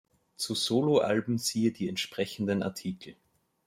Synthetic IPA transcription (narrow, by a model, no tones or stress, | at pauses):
t͡suzoːloʔa̰lbm̩z̥iːədiːɛntʃpʁ̥ɛçn̩dəna̰ɐtʰiːkʰl̩